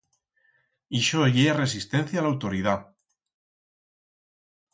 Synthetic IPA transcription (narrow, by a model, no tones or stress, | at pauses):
iʃoʝeare̞s̬ist̪en̟θjalawt̪oɾið̞a